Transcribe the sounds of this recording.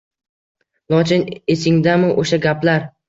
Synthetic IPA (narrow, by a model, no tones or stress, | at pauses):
lˠɒt͡ʃʰɪnesɪŋd̪amɪʔoʃaɡʲaplaɾ